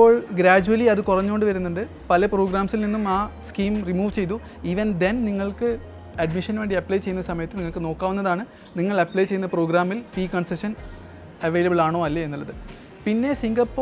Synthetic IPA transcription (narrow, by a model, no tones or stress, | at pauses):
pːo̞ːɭɡɾaːd͡ʑuʋɐliɐðɨkurɐɲːuoɳɖɨʋɐɾunːɐɳɖɨ | pɐlɐpro̞ːɡɾaːmsilninːumaːskiːmrimuːʋt͡ɕe̞jt̪u | iːʋɐnd̪enniŋːɐɭkɨ | ɐɖmiʂɐnʋeːɳɖiɐplɐjt͡ɕejːunːɐsɐmɐjɐt̪ːɨniŋːɐɭkɨno̞ːkːaːʋunːɐðaːɳɨ | niŋːɐɭɐpːlɐjt͡ɕe̞junːɐpro̞ːɡɾaːmːilpiːkɐɳsɐʂɐn | ɐʋejlɐbɨɭaːɳoːɐlːɐe̞nːulːɐðɨ | pinːe̞siŋɡɐpːo